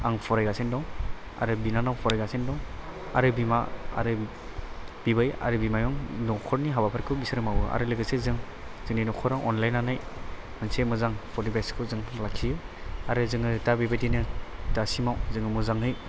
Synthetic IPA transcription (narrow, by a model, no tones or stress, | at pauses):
aŋpʰɔɾajɡasendɔŋ | a̰ɾɯbinanawpʰɔɾajɡasendɔŋ | a̰ɾɯbimaa̰ɾɯ | b̥ibaja̰ɾɯbimajɔŋnɔkʰɔɾniɦabapʰaɾkʰɯwbisɯɾɯmawɯa̰ɾɯlɯɡɯsezɯŋ | z̥ɯŋninɔkʰɔɾaŋʔɔnlajnanaj | mɯnsemɯzaŋpʰɔdibaskʰɯzɯŋlakʰijɯ | aɾɯzɯŋɯtabibajdinɯdasimawzɯŋɯmɯzaŋɦɯj